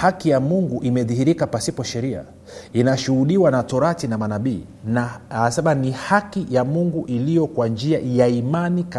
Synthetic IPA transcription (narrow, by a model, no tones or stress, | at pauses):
hakijamuŋɡuʔimɛðihiɾikapasipɔʃɛɾia̰ | inaʃuhuɗiwanatɔɾatinamanaɓiː | naasaɓanihakijamuŋɡuʔilijɔkwand͡ʒiajaimanika